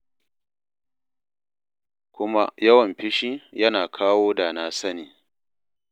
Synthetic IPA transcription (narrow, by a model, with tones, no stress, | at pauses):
kʷʊ˦ma˦jɐ˦wɐ˨mɸɪ˦ʃiː˦jɐ˦naː˨kʰaː˦woː˦da˨na˦sɐ˦niː˨